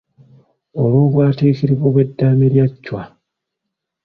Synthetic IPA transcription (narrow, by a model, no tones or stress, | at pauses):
olwoːβwaːteːkiɾiβoβwe̞dːaːmeɾjacːwa